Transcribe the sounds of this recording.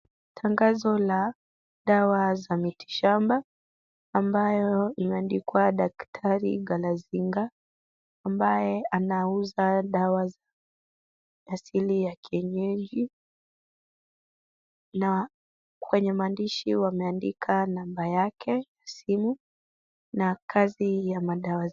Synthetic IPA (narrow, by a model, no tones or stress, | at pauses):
tʰaŋɡazɔla | ɗawazamiti̥ʃambaː | mbajɔimɛandikuaɗaktʰaɾḭɡalaziŋɡaː | mbajɛanauzaɗawaza | asilijakʰiɛɲɛʄi | na | kwɛɲɛmaːndiʃiwamɛandikʰanambajakʰɛjasimu | nakʰazijamaɗawa